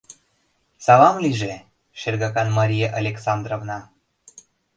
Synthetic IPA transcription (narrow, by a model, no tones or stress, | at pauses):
sɑlɑmliʒe | ʃerɡɑkɑnmɑɾijeʔalʲeksɑnd̪rovnɑ